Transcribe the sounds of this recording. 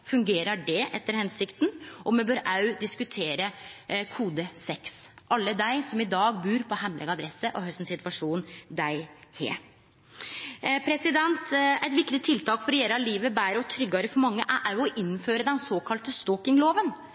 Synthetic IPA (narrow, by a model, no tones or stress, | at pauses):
fʉŋɡeːɾəɖɛʔɛt̪ːəɾhɛnsɪkt̪nʔɔmɛbøːɾʔɑʉd̪ɪskʉt̪ʰeːɾəkʰuːd̪əsɛksʔɑlːəd̪æɪsɔmɪd̪ɑːɡbʉːɾpʰɔɦɛmlʔə̰ɡɑd̪ɾɛsəʔɔɦœst̪n̩sɪt̪ʋɑʂuːnd̪æɪhḛː | pʰɾɛsɪd̪ɛnt̪æɪt̪ʋɪkːt̪ɪt̪ʰɪlt̪ʰɑːkfɔɾɛjeːɾəɑliːʋəbæːɾəɔt̪ʰɾʏɡːøːɾəfɔɾmɑŋːəʔæʔæɔʔɪnːføːɾəd̪ɛnsoːkʰɑlt̪əst̪ɔkɪŋloːʋən